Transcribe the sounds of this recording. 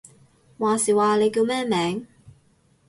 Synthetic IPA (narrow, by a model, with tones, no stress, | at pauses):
waː˨siː˨waː˨le˨˧jkiː˧wmɛː˥˩mɛː˨˥ŋ